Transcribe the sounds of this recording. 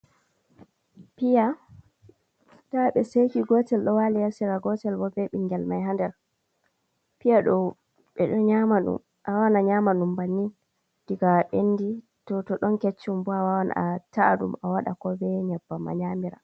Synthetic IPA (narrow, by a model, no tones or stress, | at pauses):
pija | daɓɛsejkiɡɔtɛlɗɔwalɛjasiɾaɡɔtɛlbɔbɛɓiŋɡɛlmajɦandɛɾ | pijaɗɔ | ɓɛ̰ɗɔɲamaɗṵm | ʔawanaɲamaɗumbanːi | diɡaɓenːdi | tɔtɔɗɔnket͡ʃːumbɔawawana̰ataɗṵmawaɗakɔbɛɲɛbːama̰ɲamiɾa̰